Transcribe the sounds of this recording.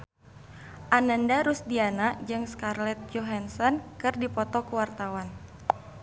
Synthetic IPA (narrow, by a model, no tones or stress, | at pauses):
ʔanandaɾusdianaʔd͡ʒɨŋskarlɛt̪̚joɦansɔnkɨrdipɔt̪ɔkuwart̪awan